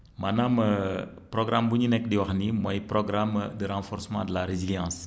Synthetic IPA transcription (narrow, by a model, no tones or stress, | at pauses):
manamə | pɾɔɡɾambuɲunɛk̚diwɐxnimɔjprɔɡɾamdəɾãːfɔɾsəmɑ̰̃dəlaɾeziljɑ̃s